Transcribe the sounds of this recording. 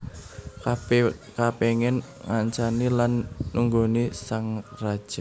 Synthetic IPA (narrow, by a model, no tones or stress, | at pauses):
kapeŋɛn | ŋaɲt͡ʃanilanːuŋɡonisaŋrad̥ʒ̥a